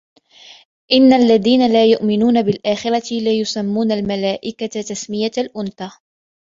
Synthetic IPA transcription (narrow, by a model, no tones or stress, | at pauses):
ʔɪnːalːaðiːnalaːjʊʔmɪnuːnabɪlʔaːxɪɾˤɑt̪ɪlajʊsamːuːnalmalaːʔɪkat̪t̪asmɪjalʔʊnθaː